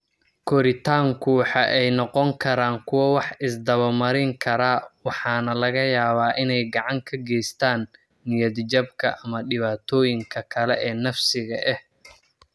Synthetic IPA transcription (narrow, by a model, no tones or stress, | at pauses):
kʰɔɾɪt̪ʰaːŋkʰʊwħɑʔɛjnɔqɔŋkʰɐɾaːŋkʰʊwɐwɑħɪsd̪ɐβɐmɐɾɪŋkʰɐɾaːwɑħɑːnɐlɐɣɐjaːβaːʔɪnɛjɡɑʕɑŋkʰɐɡɛjst̪ʰaːnː | ɪjɐd̪d͡ʒɐbkʰɐʔɐmɐɖɪβaːt̪ʰɔːjɪŋkʰɐkʰɐlɛʔɛːnɐfsɪɣɐʔɛh